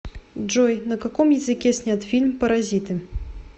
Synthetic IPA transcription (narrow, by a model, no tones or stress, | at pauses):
dʐɔjnɐkakɔmjɪzɨkʲɛsʲnʲat̪fʲilʲmpɐɾazʲit̪ɨ